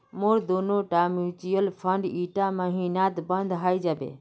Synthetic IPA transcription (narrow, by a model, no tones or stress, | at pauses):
moɾd̪onoʈamut͡ʃijəlpʰəɳɖiʈaməɦinat̪bənd̪ɦajd͡ʒabḛ